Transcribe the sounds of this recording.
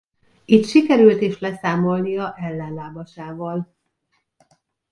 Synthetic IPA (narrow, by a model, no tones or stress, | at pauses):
it̪ʃikɛɾylt̪eːʃlɛsaːmo̞lnijɒʔɛlːɛnlaːbɒʃaːvɒl